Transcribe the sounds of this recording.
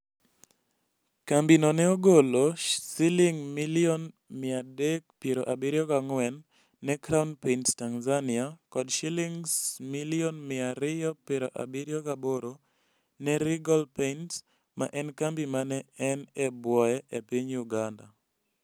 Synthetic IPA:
kambinonɛoɡolosiliŋmiliɔn | mɪadek̚piɾoʔabiɾjɔkaŋwɛnː | ɛkɾaunpenttanzanɪakɔdʃiliŋsmiliɔnmɪaɾɪjɔpiɾoʔa̰biɾjɔkaboɾo | nɛɾiɡɔlpent | ma̰ʔɛnkambimanɛɛnɛbwɔɛʔepiɲuɡanda̰

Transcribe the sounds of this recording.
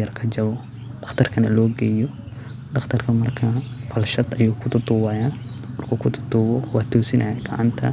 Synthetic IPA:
ɐrkʰɐd͡ʒɐβɔd̥ɐχt̪ʰɐrkʰɐnɐlɔːɡɛːjɔdɑχt̪ʰɐrkʰɐmɐrkʰɐfɐlʃɐd̪ɐjuːkʰʊt̪ʰʊt̪ʊwɐjamɐrkʰukʰʊt̪ʰʊ̥t̪uːwɔwaːt̪ʰuːsɪnʔɐjɛkʰɐʔa̰ːnt̪ʰɐ

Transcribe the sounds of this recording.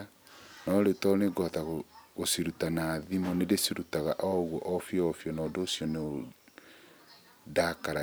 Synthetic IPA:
a | nɔɾetɔneɡɔtaɣoɣosiɾutanaːðimɔnedesiɾutaɣaʔɔɣwɔʔɔfjɔfjɔnɔːdoːsjɔneo | dakaɾa

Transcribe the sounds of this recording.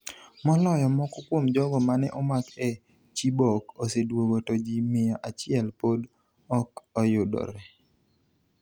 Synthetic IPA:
mɔlɔjɔmɔkɔkwomd͡ʒɔɡɔmanɛʔɔmakɛ | t͡ʃibɔkosedwoɡotod͡ʒimɪjɔʔat͡ʃɪɛlpod | ɔkɔjʊdɔ̰ɾɛ

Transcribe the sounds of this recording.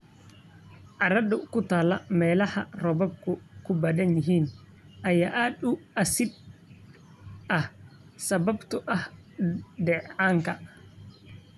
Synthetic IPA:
ʔɑɾɐd̪ʊkʰʊt̪ʰaːlɐmɛːlɐhɐrɔβɔb̚kʰʊkʰʊbɐdɐnjɪɦiːn | ʔɐjaːʔaːd̪ʊɐsɪd̪̚ | ʔɐh | sɐβɐbt̪ʰʊʔɐh | ɖɛʕaːŋkʰɐ

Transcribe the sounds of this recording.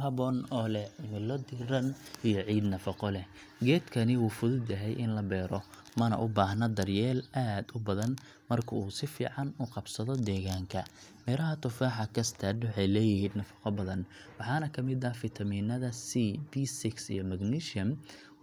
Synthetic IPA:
ɐβɔnɔːlɛʕɪmɪlɔd̪ɪrɐnijɔʕiːd̪nɐfɑqɔlɛh | ɡɛːd̪kʰɐnɪwuːfʊðʊd̪jɐɦɛjʔɪnlɐbɛːɾɔ | mɐnɐ̰ʔʊbaːɦnɐd̪ɐrjɛːlʔaːd̪ʊbɐðɐn | mɐrkʰɐuːsɪfḭːʕɑnʊqɑbsɐðɔd̪ɛːɣaːŋkʰɐ | mɛːlɐɦɐt̪ʰʊfaːħɑkʰɐst̪ʰɐd̪ʊħɛjlɛːjɪɦiːd̪nɐfɐ̥qɔbɐðɐn | wɑħɑːnɐkʰɐmɪd̪ɐfɪt̪ʰɐmiːnɐðɐsibisɪksḭjɔmɐɡniːʃɪɐm

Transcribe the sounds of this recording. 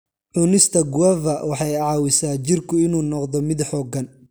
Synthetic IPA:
ħʊnɪst̪ʰɐɡʊwɐvɐwɑħɑjʕɑːwɪsaːt͡ʃɪrkʰʊɪnuːnɔqðɔmɪd̪ħɔːɡɐn

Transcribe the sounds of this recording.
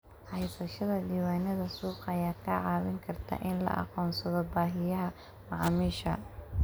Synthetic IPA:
hɐjsɐʃɐðɐd̪iːwaːnɐðɐsuːqɐjaːkʰɐʕɑːwɪŋkʰɐrt̪ʰɐ̰ʔɪnlɐ̰ʔɑ̰qɔːnsɐðɔbaːɦɪjɐɦɐ | mɑʕɑːmiːʃɐ̰

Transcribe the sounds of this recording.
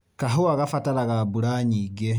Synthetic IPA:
kaɦoaɣafataɾaɣabuɾaɲiːɡe

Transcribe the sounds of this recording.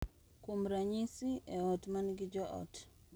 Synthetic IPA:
kumɾaɲisiɛɔtmanɡid͡ʒɔʔɔ̰t

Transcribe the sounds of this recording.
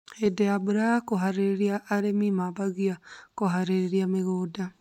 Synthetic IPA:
edeabuɾakoɦaɾeɾeɾiaʔːɾemimabaɣiakoɦaɾeɾeɾiameɣoːda

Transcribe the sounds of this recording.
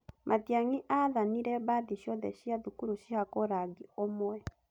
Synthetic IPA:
mʔatjaŋiʔaðaniɾɛβaðiɕjɔðɛ̰ɕjaðukuɾuɕiakoɾaɡiomwɛ

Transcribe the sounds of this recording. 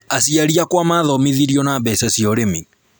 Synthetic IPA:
asiaɾiakwamaðɔmiðiɾiɔnabɛsasiɔɾemi

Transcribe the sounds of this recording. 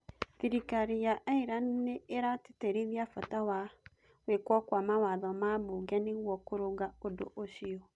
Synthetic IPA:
θiɾikaɾijaʔaiɾanneeɾate̥teɾeðiafatawa | wekwɔkwamawaðɔmaboɡɛneɣwɔkoɾoɣaodo̰ʔoɕiɔ

